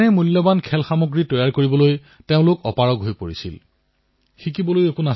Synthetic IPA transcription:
ɛmulːɔbankʰɛlxamoɡɹitɔjaɹkoɹibɔloj | teʊ̃lʊkɔpaɹɔɡɦojpoɹisḭl | xik̬ibɔlojekuna

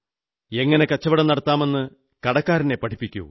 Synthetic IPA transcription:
e̞ŋːɐne̞kɐt͡ɕːɐʋiɽɐnɐɽɐt̪ːaːme̞nːɨ | kɐɽɐkːaːɾine̞pːɐʈʰi̥pːikʲːṵ

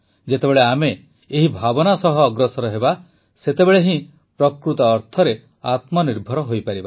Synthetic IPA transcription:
d͡ʒet̪ebeɭeameː | ɦibʱabɔnasɔɦɔːɡɾɔsɔɾɔɦeba | set̪ebeɭeɦĩ | pɾɔkɾut̪ɔːɾt̪ʰɔɾe | at̪mɔniɾbʱɔɾɔɦojpaɾiba

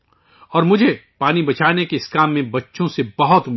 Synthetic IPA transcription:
ɔːɾmʊd͡ʒʱepaːnibɐt͡ʃʰaːnekeɪskaːmːẽbɐtːʃõsebɐɦʊt̪

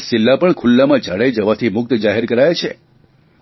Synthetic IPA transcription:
sɪlːapəɳkʰʊlːamãd͡ʒʱaɽajd͡ʒəʋat̪ʰimʊk̚t̪d͡ʒaɦɛɾkəɾajt͡ʃʰe

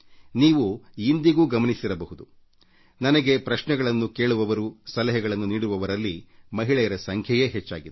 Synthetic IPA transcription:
niːʋuind̪iɡuːɡɐmɐnisiɾɐbɐɦud̪u | nɐnɐɡe̞pɾɐʃnɛɡɐɭɐnːuke̞ːɭuʋɐʋɐɾusɐlɐɦɛɡɐɭɐnːuniːɽuʋɐʋɐɾɐlːimɐɦiɭɛjɐɾɐsɐŋkʰjɐje̞ːɦet͡ʃːaːɡid̪

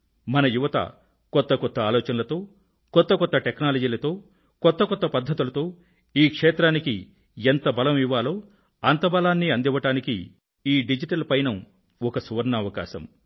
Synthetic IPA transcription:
mɐnɐjuʋɐt̪ɐ̰ | kɔt̪ːɐkɔt̪ːɐaːlɔːt͡ʃɐnɐlɐt̪o̞ː | kɔt̪ːɐkɔt̪ːɐʈeknaːlɐd͡ʒiːlɐt̪o̞ː | kɔt̪ːɐkɔt̪ːɐpɐd̪ʱːɐt̪ulɐt̪o̞ː | iːkʂeːt̪ɾaːniki | ent̪ɐbɐlɐmiʋːaːlo̞ː | ɐnt̪ɐbɐlaːnːiɐnd̪iʋːɐʈaːnikḭ | iːɖid͡ʒiʈɐlpɐjnɐm | ɔkɐsuʋɐɾnɐːʋɐka̰ːʃɐ̰m

